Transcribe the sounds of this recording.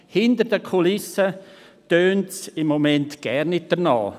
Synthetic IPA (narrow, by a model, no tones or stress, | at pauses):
hɪndəɾdəkʰolɪsə | tøːntsɪmːomɛntɡ̥ɛɾnɪt̚d̥əɾnɑ̰ː